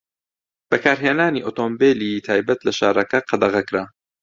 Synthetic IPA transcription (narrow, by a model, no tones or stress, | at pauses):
b̥ɐkʰaːɾɦeːnaːniːʔoːt̪oːmbeːlit̪ʰaːjbɐt̪lɐʃa̰ːɾˤɐkɐqʰɑd̪ɐɣɐkɾaː